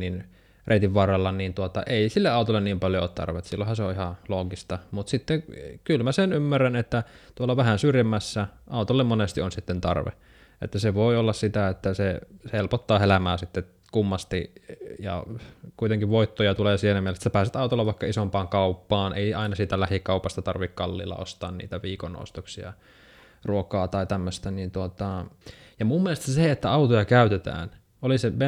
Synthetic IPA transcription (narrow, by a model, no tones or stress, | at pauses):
nin | reit̪iʋʋɑrːɑlːɑniːnt̪uot̪ɑ̰ʔeˑisilːeɑˑut̪olːenniːmpɑljooːt̪t̪ɑ̰rʋet̪silːohɑnseoʔʔihɑloːɡist̪ɑmut̪sit̪ːekylmæsenymːærænet̪ːæt̪uolːɑʋæhænsyrjemːæsːæʔɑˑut̪olːemmonest̪ionsit̪ːent̪ɑ̰rʋḛ | ʔḛt̪ːæseʋoˑiolːɑssit̪æet̪ːæsehelpot̪ːɑːhelæmæːsit̪ːe | kumːɑst̪ḭjɑ̰kuit̪eŋkiʋʋoit̪ːojɑt̪uleːsiːenæmielest̪ːæpæːset̪ɑˑut̪olːɑʋɑikːɑisompɑːŋkɑupːɑːnʔḛˑiɑinɑsiːt̪ælæhikɑupɑst̪ɑt̪ɑrʋikkɑlːḭːlːɑ̰o̰st̪ɑ̰ːnnḭːt̪æʋiːkonːo̰ˑust̪oksiɑ̰ | ruokɑːt̪ɑit̪æmːøst̪ænint̪uot̪ɑjɑmumːielest̪ɑseet̪ːæɑut̪ojɑkæyt̪et̪æ̰ːn | oliseʋe